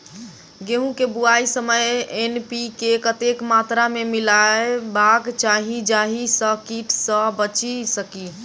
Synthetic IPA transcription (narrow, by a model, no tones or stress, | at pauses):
ɡeɦũkebuaisəməjenpikekət̪ekmat̪ɾamemilaebaɡt͡ʃaɦid͡ʒaɦisəkiʈʰsə̃bət͡ʃisəki